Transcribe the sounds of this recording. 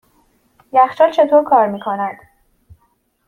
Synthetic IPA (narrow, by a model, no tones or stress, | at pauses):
jæxʃɒːt͡ʃʰe̞t̪ʰoːɾkʰɒːɾmiːkʰonæd̪̥